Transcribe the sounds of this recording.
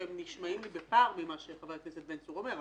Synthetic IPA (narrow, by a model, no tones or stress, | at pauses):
emniʃmaimlibepaʁbimaʃeχavajkneset̪̚bensuomeʁ